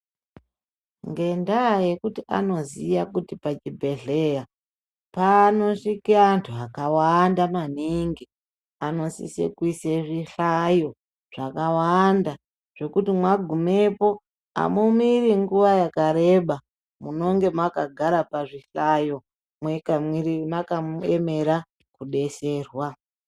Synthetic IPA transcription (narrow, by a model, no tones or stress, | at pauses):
ŋɡe̞ndaje̞kutiʔa̰no̞zijakutipat͡ʃibʱe̞ɮe̞ja | pano̞ʂikiantʰuakawandamaniŋɡi | ano̞sḭsḛkwiseʐiɬajo̞ | ʐ̥akawanda | ʐ̥e̞kutimwaɡʱumepo̞ | a̰mumiriŋɡuʋajakaɾe̞ɓa | muno̞ŋɡe̞mwakaɡʱaɾapaʐiɬajo̞ | mwekamwiɾimakamueme̞ɾa | kuɗe̞se̞ːrwa